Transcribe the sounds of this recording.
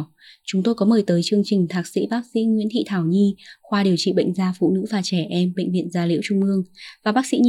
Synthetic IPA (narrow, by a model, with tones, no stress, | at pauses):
t͡ɕʊ˨˦ŋ͡mt̪o˧jkɔ˨˦məː˨˩jt̪əː˨˦jt͡ɕɨ˧əŋt͡ɕï˨˩ŋ̟t̪ʰaː˨˩k̚sḭ˧˥ɓaː˦˥k̚sḭ˧˥ŋwḭ˧˥ənt̪ʰḭ˧˨t̪ʰaː˧˩wɲi˧xwaː˧ɗi˨˩əwt͡ɕḭ˧˨ɓə̰˧˨jŋ̟zaː˧fṵ˧˨nɨ̰˧˥vaː˨˩t͡ɕɛ˧˩ʔɛ˧mɓə̰˧˨jŋ̟vḭ˧˨ənzaː˧lḭ˧˥wt͡ɕʊ˧ŋ͡mʔɨ˧əŋvaː˨˩ɓaː˦˥k̚sḭ˧˥ɲ˧